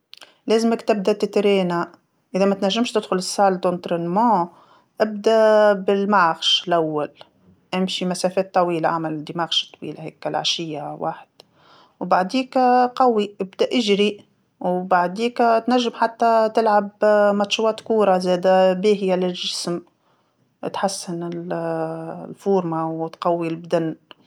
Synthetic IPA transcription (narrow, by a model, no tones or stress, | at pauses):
leːzɪməkt̪ɪb̚d̪at̪ɪt̪ɾeːna | ʔɪðæmæt̪næʒːɪmʃt̪ɪd̪xʊlɪsːaːld̪ont̪ɾenmɑ̃ | ʔɪb̚d̪æbɪlmaʕxʃlʔawːal | ʔɪmʃimæsɛːfɛːt̪ːɑwiːlaʕamæld̪imaːxʃt̪ˤːwḭːlahɛ̰ːkːælʕa̰ʃɪjːawa̰ːħd̪̥ | wbaʕd̪iːkqɑwːiʔɪbd̪æʔɪʒɾi | wbaʕd̪iːkt̪næʒːɪmħat̪ːat̪ɪlʕabmɑt̪ʃwɑːt̪kuːɾˤɑzɛːd̪æbeːɦjalɪlʒɪsm | t̪ħasːɪnɪl | lfuːɾmawt̪qɑwːilbd̪anː